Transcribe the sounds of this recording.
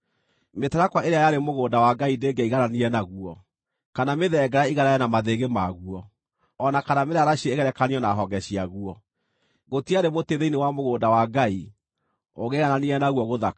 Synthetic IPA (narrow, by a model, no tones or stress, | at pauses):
metaɾakwaʔeɾeajaɾemoɣoːndawaɡaideɡɛiɣananiɛnaɣuɔ | kanameðɛːɡɛɾaiɣaɾajɛnamaðeɣemaɣuɔː | nakanameɾaɾaɕieeɣɛɾɛkaniɔnaɦɔɡɛɕiaɣuɔ | ɣotiaɾemoteðeinewamoɣoːdawaɡai | oɣeɣananiɛnaɣuɔɣoða